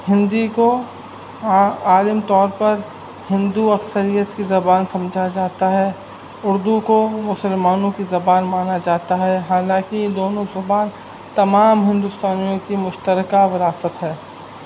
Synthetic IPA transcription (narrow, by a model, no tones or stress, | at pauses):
hɪ̃nd̪iko | aːləmt̪ɔːɾpɐɾ | hɪ̃nd̪uɐksəɾijət̪kizɐbaːnsɐ̃md͡ʒʱad͡ʒaːt̪aɦɛ | ʊɾd̪ukomʊsəlmaːnõkizɐbaːnmaːnad͡ʒaːt̪aɦɛɦaːlãːkid̪oːnõzɐbaːn | t̪ɐmaːmɦɪ̃nd̪ust̪aːnijõkimʊʃt̪əɾkaʋɪɾaːsət̪ɦɛː